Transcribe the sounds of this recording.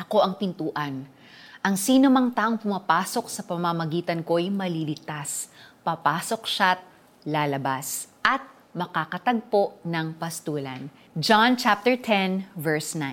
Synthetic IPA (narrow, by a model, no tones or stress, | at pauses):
ʔɐko̞ʔɐŋpɪnt̪uːʔɐn | ʔɐŋsiːnomɐŋt̪aːʔo̞ŋpʊmɐpaːso̞k̚sɐpɐmamɐɡiːt̪ɐnko̞ʔɐjmɐlilɪt̪aspɐpaːso̞k̚ʃat̪̚ | laːlɐbasʔɐt̪̚ | mɐkakɐt̪ɐɡ̚po̞ʔnɐŋpɐst̪uːlɐ̰n | d͡ʒant͡ʃap̚t̪ɛɹt̪ʰɛnvɛɹsnã